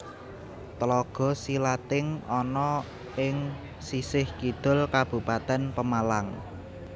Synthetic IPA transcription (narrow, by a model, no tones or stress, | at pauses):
t̪əlɔɡ̥ɔ̤silat̪ɪŋɔnɔ | ɪŋ | sisɪhkid̪̥ʊ̤lkab̥ṳpat̪ɛnpəmalaŋ